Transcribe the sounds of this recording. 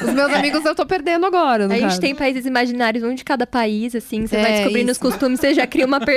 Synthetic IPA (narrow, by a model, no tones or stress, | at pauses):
ʊzmewzamiɡʊzewt̪õw̃peɾd̪ẽnd̪ʊaɡɔɾɐnaʒekt͡ʃɪt̪ẽj̃paizɪzimaʒinaɾʲjʊzũd͡ʒɪkad̪ɐpaizasĩsevajdɪskobɾĩnʊskost̪ũmɪsseʒakɾiũmɐpeɾ